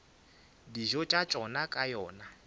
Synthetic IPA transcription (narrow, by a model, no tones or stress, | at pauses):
diʒɔt͡ʃʼat͡ʃʼɔnakʼajɔːna